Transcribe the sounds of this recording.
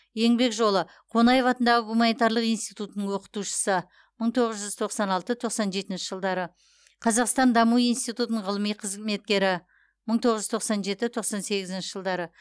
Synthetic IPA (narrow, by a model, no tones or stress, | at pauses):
je̞ŋbe̞kʒo̞lˠə | qʰo̞nɑjevɑt̪ənd̪ɑʁəɡumɑnijt̪ɑɾlˠəqijnst̪ijt̪ut̪ənəɴwo̞qə̥t̪uʃə̥sə | məɴt̪ʰo̞ʁəzʒʏz̥t̪ʰo̞qsɑnɑlˠt̪ət̪ʰo̞qsɑnʒe̞t̪ɪnʃɪʒəlˠd̪ɑɾə | qʰɑzɑqst̪ɑnd̪ɑmuijnst̪ijt̪ut̪ənəɴʁəlˠəmijqʰəzme̞t̪̚kʲe̞ɾɪ | məɴt̪ʰo̞ʁəʒʏt̪ʰo̞qsɑnʒe̞t̪ɪt̪ʰo̞qsɑnse̞ɡʲɪzɪnʃɪʒəlˠd̪ɑɾə